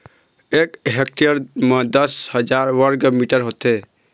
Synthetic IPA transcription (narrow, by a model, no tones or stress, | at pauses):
ekɦek̚ʈeəɾmed̪əshəd͡ʒaɾʋəɾɡmiʈəɾɦot̪e